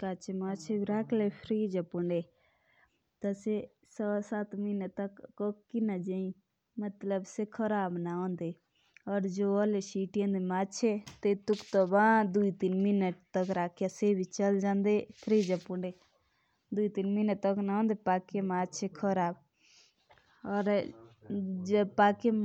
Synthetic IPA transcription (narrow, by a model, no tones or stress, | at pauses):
kat͡ʃʰemat͡ʃʰebiɾakʰlepʰɾid͡ʒəpuɳɖe | t̪əse | sɔsat̪minət̪əkkɔkːinad͡ʒəĩ | mət̪ləbsekʰəɾabnaɔnd̪e | ɔɾd͡ʒoɔlesiʈijə̃nd̪emat͡ʃʰet̪et̪ukt̪ɔbãd̪uit̪inminəʈt̪əkɾakʰjasebʱit͡ʃəld͡ʒand̪ekʰɾid͡ʒapuɳɖe | d̪uit̪inminəʈt̪əknaõnd̪epakemad͡ʒt͡ʃʰekʰəɾab | ɔːɾ | d͡ʒəpake